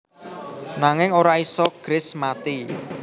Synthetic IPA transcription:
naŋɪŋoɾaisɔɡ̥ɾɪsmat̪i

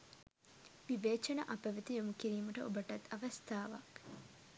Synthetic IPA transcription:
ʋiʋeːt͡ʃɐnɐʔɐpɐʋit̪ijomukiɾiːməʈəʔobəʈɐt̪ʰːɐʋɐst̪ʰaːʋɐ̰k

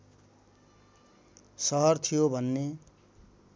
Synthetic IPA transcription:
sʌɦʌrt̪ʰijobʱʌnːe

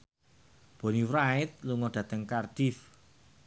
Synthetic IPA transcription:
b̥o̤niwɾaɪt̪̚luŋɔɖ̪̥ä̤t̪əŋkard̥if

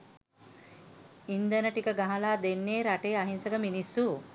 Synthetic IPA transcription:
ind̪ənəʈikəɡaɦɐlaːd̪enːeːɾaʈeːaɦinsɐɡəminisːu

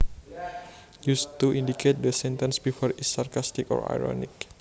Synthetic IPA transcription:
just̪uʔindiket̪̚dəsɛnt̪ə̃nsbifɔrisarkast̪ikɔ̰ra̰jɾɔ̰nḭk̚

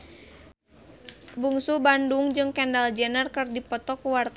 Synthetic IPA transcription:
buŋsubandʊŋd͡ʒɨŋkɛndald͡ʒɛnərkɨrdipɔt̪ɔkuwart̪

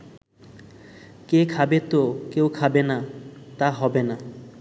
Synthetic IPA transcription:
kekʰabet̪okewkʰabenat̪aɦɔbena

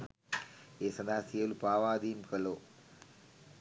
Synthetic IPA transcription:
eːsɐnaːsijɐlupaːʋaːd̪iːmkɐloː

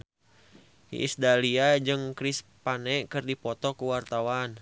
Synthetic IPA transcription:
hḭʔḭsdaliad͡ʒɨŋkɾispanɛʔkɨrdipɔt̪ɔkuwart̪awan

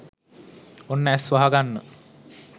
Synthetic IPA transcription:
onːæsʋaɦaɡanːə

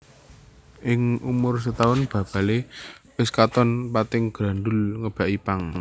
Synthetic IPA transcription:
ʔɪŋʔumʊrs̬ət̪aʊnb̥ä̤b̥a̤lewɪskat̪ɔnpat̪ɪŋɡ̥ɾa̤ɳdʊlŋəb̥a̤ʔipaŋ

